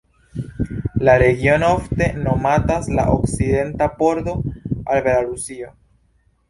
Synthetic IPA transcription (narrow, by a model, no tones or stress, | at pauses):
laɾe̞ɡio̞nofte̞no̞matasla̰ʔokside̞ntapo̞ɾdo̞albelaɾusio